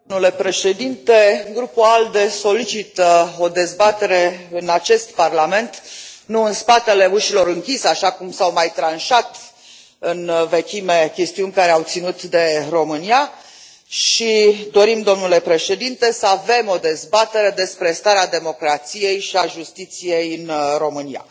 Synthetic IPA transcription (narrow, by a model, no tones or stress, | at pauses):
mnule̞pɾe̞ʃe̞d̪int̪e̞ɡɾupuald̪e̞so̞lit͡ʃit̪əo̞d̪e̞zbat̪e̞ɾe̞ɨnat͡ʃe̞st̪parlame̞nt̪nuɨnspat̪e̞le̞uʃilo̞ɾɨŋkʲiseaʃakumsawmajt̪ɾanʃat̪ | ɨnve̞kʲime̞kʲe̞st̪iunʲkaɾeawt̪sinut̪d̪e̞ɾo̞mɨnia | ʃid̪o̞ɾimd̪o̞mnule̞pɾe̞ʃe̞d̪int̪e̞səave̞mo̞d̪e̞zbat̪e̞ɾe̞d̪e̞spɾe̞st̪aɾead̪e̞mo̞kɾat̪sije̞jʃiaʒust̪it̪sije̞jɨnɾo̞mɨnia̰